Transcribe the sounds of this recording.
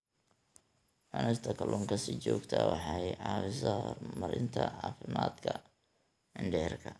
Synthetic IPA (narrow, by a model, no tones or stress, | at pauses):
ħɛnɐst̪ʰɐkʰɐlʔɔːŋkʰɐsit͡ʃɔːɡt̪ʰɐwɑħɑjʕɑːwɪsɐhɔrmɐɾɪnt̪ʰɐʕɑːfɪmaːd̪kʰɐ | ɪɳɖɛrkʰɐ